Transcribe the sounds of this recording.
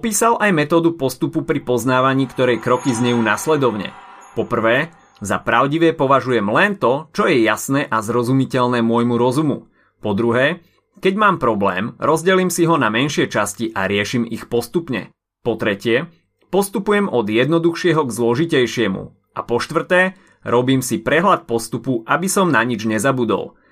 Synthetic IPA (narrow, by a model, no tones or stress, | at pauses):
ɔpiːsalʔajmɛt̪ɔːd̪upɔst̪upupɾipɔznaːʋaɲiːkt̪ɔɾɛjkɾɔkizɲɛjuːnaslɛd̪ɔʊɲɛ̰ | pɔpr̩ʋɛː | za̰pɾaʊɟiʋɛpɔʋaʒujɛmlɛnt̪ɔt͡ʃɔjɛjasnɛːʔazɾɔzumicɛʎnɛːmʊɔjmuɾɔzumu | pɔd̪ɾuɦɛː | kɛɟmaːmpɾɔblɛ̰ːmɾɔzɟɛliːmsiɦɔnamɛnʃɪɛt͡ʃasciʔaɾɪɛʃimixpɔst̪upɲɛ̰ | pɔt̪ɾɛcɪɛ | pɔst̪upujɛmɔd̪jɛd̪nɔd̪uxʃɪɛɦɔɡzlɔʒicɛjʃɪɛmṵ | ʔa̰pɔʃt̪ʋr̩t̪ɛː | ɾɔbiːmsipɾɛɦlat̪̚pɔst̪upuʔabisɔmnaɲid͡ʒɲɛzabud̪ɔ̰lˠ